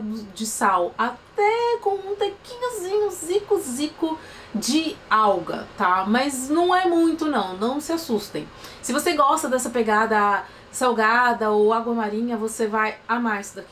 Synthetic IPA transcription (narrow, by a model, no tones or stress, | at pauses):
d̪ʊd͡ʒɪsawat̪ɛkõw̃ũt̪ekĩɲʊzĩɲʊzikʊzikʊ | d͡ʒɪawɡɐ̰t̪amɐznɐ̃w̃ɛmũj̃t̪ʊnɐ̃w̃nɐ̃w̃sɪasust̪ḛ̃j̃sɪvoseɡɔst̪ɐd̪ɛsɐpeɡad̪ɐ | sawɡad̪ɐowaɡwɐmaɾĩɲɐvosevajamajsd̪ak